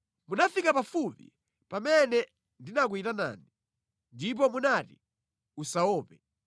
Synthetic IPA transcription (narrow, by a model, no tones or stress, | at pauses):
munafikapafupḭ | pamɛnɛ | ndinak̬witana̰ːni | ndip̬ɔmunati | usaɔːpɛ